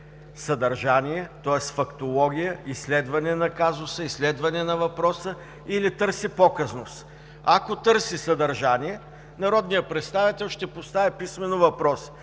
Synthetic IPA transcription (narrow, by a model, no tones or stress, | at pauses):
səd̪ɐɾʒanijɛt̪ɔɛst̪fɐkt̪olˠɔɡʲijəislɛd̪vɐnɛnɐkazʊsəislɛd̪vɐnɛnɐvɐpɾɔsə | ilit̪ɤɾsipɔkəznʊs | akot̪ɤɾsisɐd̪ɐɾʒaniɛ | nɐɾɔd̪nijəpɾɛt̪st̪avit̪ɛlˠʃt̪ɛpost̪avipismɛnʊvɐpɾɔs